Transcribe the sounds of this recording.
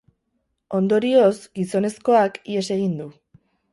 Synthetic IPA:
o̞nd̪o̞ɾio̞zɡiso̞ne̞sko̞akie̞se̞ɣ̞ind̪u

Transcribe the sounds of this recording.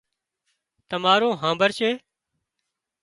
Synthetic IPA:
t̪əmaːɾõːɦãːmbəɾʃeː

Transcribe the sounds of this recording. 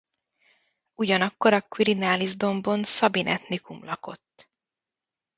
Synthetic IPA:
uɟɒnɒkːo̞ɾɒkwiɾinaːlizd̪o̞mbo̞nsɒbinʔɛ̰t̪nikumlɒko̞̰t̪ː

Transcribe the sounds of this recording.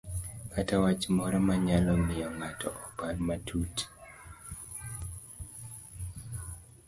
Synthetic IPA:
katawat͡ʃmɔɾɔmaɲalɔmɪjɔŋatɔʔɔparmatʰut

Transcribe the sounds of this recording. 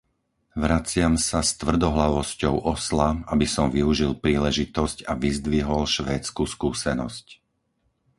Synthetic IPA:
ʋɾat͡sɪamsast̪ʋr̩d̪ɔɦlaʋɔscɔʊʔɔslaabisɔmʋiuʒilpɾiːlɛʒit̪ɔscaʋizd̪ʋiɦɔlʃʋɛːt͡skuskuːsɛnɔsc

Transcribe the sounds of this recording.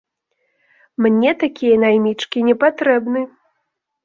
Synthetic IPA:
mnʲɛt̪akʲijɐnajmʲit͡ʂkʲinʲɛpat̪ɾɛbnɨ

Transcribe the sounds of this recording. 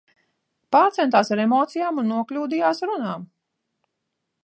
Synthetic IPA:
paːɾt̪sɛnt̪aːsaɾemɔːt̪sijaːmunːuɔklʲuːd̪ijaːsɾunaːm

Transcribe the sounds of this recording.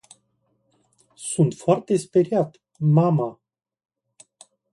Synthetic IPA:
sunt̪foart̪e̞speɾiat̪ | mama

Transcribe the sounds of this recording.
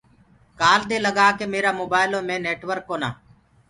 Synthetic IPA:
kaːld̪eːləɡaːkeːmeːɾaːmoːbaːɪlõːmẽːneːʈʋəɾkːoːnaː

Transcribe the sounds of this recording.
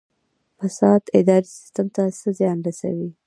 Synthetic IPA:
fasɑd̪ɪd̪ɑɾisɪ̥st̪amt̪asəzjɑnɾasa̰wi

